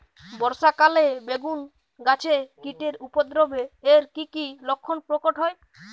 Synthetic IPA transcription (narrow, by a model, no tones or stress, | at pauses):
bɔɾʃakalebeɡun | ɡat͡ɕʰekiʈeɾupod̪ɾobeeɾkikilokʰːonpɾokoʈɦɔe